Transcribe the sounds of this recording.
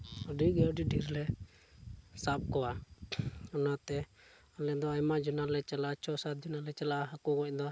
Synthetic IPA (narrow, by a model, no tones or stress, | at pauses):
ɔɖiɡɛɔɖiɖiɾlɛ | sap̚kɔwa | ɔnat̪ɛ | alɛd̪ɔajmaʔd͡ʒɔnalɛt͡ʃalat͡ʃɔsat̪̚d͡ʒɔnalɛt͡ʃalaɦakɔɡɔc̚d̪ɔ